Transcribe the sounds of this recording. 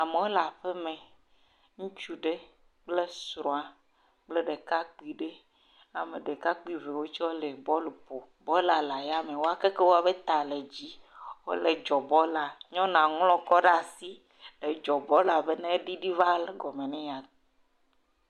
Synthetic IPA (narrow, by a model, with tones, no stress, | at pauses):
a˨me˨wo˦la˨ɸe˦mẽ˨ | ŋũ˦t͡ʃu˦ɖe˦ | k͡ple˦sɾɔ̃˨a˨ | k͡ple˦ɖe˨ka˦k͡pi˨ɖe˦ | a˨me˨ɖe˨ka˦k͡pi˦ve˨wo˦t͡ʃɔ˦le˨bɔ˦le˨po˨ | bɔ˦la˨la˨ja˦mẽ˨wo˦a˦ke˦ke˦wo˦a˨be˦t̪a˨le˨d͡ʑi˦wo̰˦le˨d͡ʒɔ˨bɔ˦la˨ɲɔ̃˦nã˨ŋlɔ̃˦kɔ˦ɖa˨si˦ | le˨d͡ʒɔ˨bɔ˦la˨be˦nẽ˦ɖi˦ɖi˦va˦le˨ɡɔ˨me˨nẽ˦ja˨